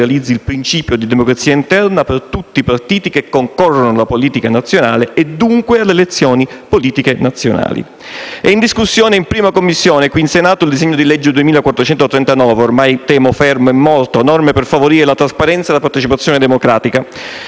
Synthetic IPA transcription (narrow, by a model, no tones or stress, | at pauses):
alid̪zːilpɾint͡ʃiːpjod̪id̪emokɾat̪siːaint̪ɛrnapert̪ut̪ːipart̪iːt̪ikekːoŋkɔrːonolapoliːt̪ikanat̪sːjonaːleed̪ːuŋkwealːeːlet̪sːjɔːnipoliːt̪ikenat̪sːjona̰ːlḭ | ɛind̪iskusːjoːneimpɾiːmakomːisːjoːnekwiːnsenaːt̪oild̪izɛɲːod̪ilɛd͡ʒːɪd̪uemiːlakwat̪ːɾot͡ʃɛnt̪ot̪ɾɛnt̪anɔːveormajt̪ɛːmofɛrmoɛmːɔlt̪onɔrmeperfavoɾiːɾelat̪ɾaspaɾɛnt̪saelapart̪et͡ʃipat̪sːjɔːned̪emokɾaːt̪ika